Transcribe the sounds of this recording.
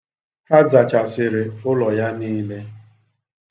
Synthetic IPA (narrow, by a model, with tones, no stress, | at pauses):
ha˦za˨t͡ʃa˨sɪ˨ɾɪ˨ʊ˦lɔ˨ja˦niː˦le˦